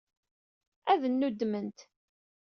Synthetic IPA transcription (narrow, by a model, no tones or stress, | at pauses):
æðənːud̪mənt̪